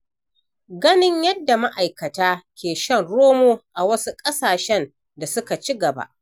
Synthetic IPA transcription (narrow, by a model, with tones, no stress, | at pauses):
ɡɐ˦nɪ˦ɲjɐ˦dːa˨ma˦ʔa˨jkɐ˨taː˦kʲʰeː˨ʃɐ˦˨nɽoː˦moː˦ʔa˨wɐ˦su˦kʼɐ˦saː˨ʃɛ˦n | da˨sʊ˦ka˨t͡ʃi˦ɡɐ˨ba̰˦ʔ